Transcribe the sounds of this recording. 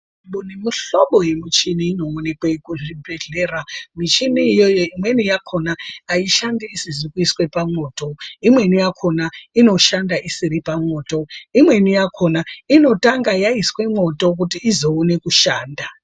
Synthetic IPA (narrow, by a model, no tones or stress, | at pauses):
ɓunimiɬoɓo̞jemit͡ʃiniːno̞onekwekuʐibʱeɮe̞ːramit͡ʃiniːjojoimwe̞nijakʰo̞naːiʃandiisizikuiswe̞pamoːto̞imwe̞nijakʰo̞naino̞ʃandaʔisiɾipamwo̞ːto̞imwe̞nijakʰo̞naino̞taŋɡajaiswe̞mwo̞to̞k̬utiːzo̞une̞kuʃaːnda